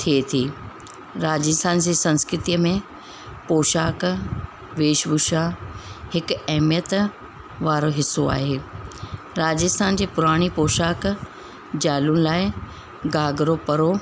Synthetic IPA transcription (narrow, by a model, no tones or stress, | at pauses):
t̪ʰiet̪ʰiː | ɾaːd͡ʑəst̪ʰaːnd͡ʑeːsɐ̃nskɾɪt̪ijəmẽ | poːʃaːk | ʋeːʃbʊʃaːhɪkɛɦmjət̪ | ʋaːɾoɦɪsoa̰ːɦeː | ɾaːd͡ʑɪst̪ʰaːnd͡ʑeːpʊɾaːɽ̃ipoːʃaːk | d͡ʑaːlʊnɪ̆laːɪ | ɡaːɡɾopɐɾo